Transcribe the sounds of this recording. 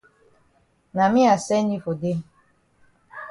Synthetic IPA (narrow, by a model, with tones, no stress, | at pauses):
na˨mĩ˦a˨sɛ˦ni˦fo˨de˦